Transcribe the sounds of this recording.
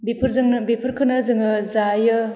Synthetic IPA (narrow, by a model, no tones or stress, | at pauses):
bipʰɯɾzɯŋbipʰɯɾkʰɯnɐzɯŋɯzajɯ